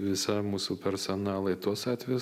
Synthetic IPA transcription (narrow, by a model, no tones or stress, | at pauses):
ʋʲɪsɐmuːsupʲɛɾsɔnɑːlˠɐɪt̪uɔsɑːt̪ʲʋʲɛjʊs